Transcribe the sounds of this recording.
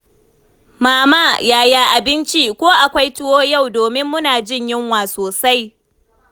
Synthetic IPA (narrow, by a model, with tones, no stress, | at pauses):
maː˨maː˦˨jaː˦jaː˦ʔa˨bɪ˦nt͡ʃiː˦kʷoː˦ʔa˨kʷa˦jtʊ˦woː˦ja˦˨wdoː˨mɪ˦mːʊ˦naː˨d͡ʒɪ˦ɲjɪ˦ŋwaː˨soː˨sa˦j